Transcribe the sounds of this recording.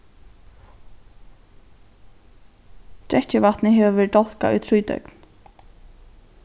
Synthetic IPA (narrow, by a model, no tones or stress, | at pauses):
t̪ɾɛht͡ɕɪvat̪nɪɦɛːvɪvɛːɾʈ̚d̪ɔl̥ka̰ʊ̰jt̪ʰɾuːjt̪œ̰ɥkn